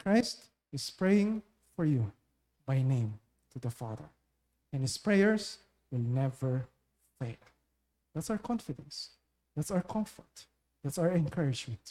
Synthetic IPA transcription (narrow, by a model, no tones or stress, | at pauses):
kʰɹajst̪ | ɪspɹejɪ̃ŋ | fɔɹju | bajnẽɪ̃m | t̪ʰud̪əfaðə̰ɹ | ɛ̃nhɪspɹejəɹs | wɪlnɛvəɹ | feɪl | d̪ætsawəɹkʰɔ̃nfɪdɛ̃ns | ðætsawəkʰɔ̃ɱfɔɹt̪ | ðætsawəɹɛ̃nkʰɜɹɪd͡ʒmɛ̃nt